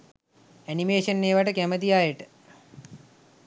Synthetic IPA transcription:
ænimeːʂənːeːʋaʈəkæməd̪ijaːjəʈə̥

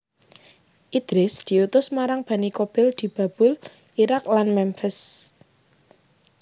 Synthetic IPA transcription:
ʔid̪̥ɾɪsd̪̥i̤ut̪ʊsmaɾaŋb̥a̤nikob̥ɪld̪̥i̤b̥a̤b̥ʊl | iɾaklanmɛmfɪs

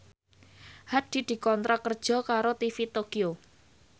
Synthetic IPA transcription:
had̪̥i̤d̪̥i̤kɔnt̪ɾakərd̥ʒ̥ɔ̤kaɾot̪ifit̪okio

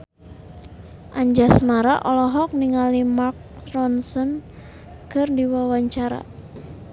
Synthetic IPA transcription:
ʔaɲd͡ʒasmaɾaʔɔlɔɦɔk̚niŋalimark̚rɔnsɔn | kɨrdiwawaɲt͡ʃaɾa̰

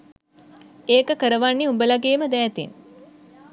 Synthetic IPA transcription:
eːkəkəɾəʋanːiubəlaɡeːməd̪æːt̪ḭn

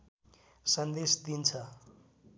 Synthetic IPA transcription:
sʌnd̪esd̪int͡sʰʌ

